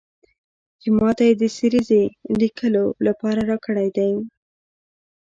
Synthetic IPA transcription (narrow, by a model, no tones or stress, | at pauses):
d͡ʒɪmɑt̪ajed̪əsiɾizelikʰəlolapɑɾaɾɑkəɽajd̪aj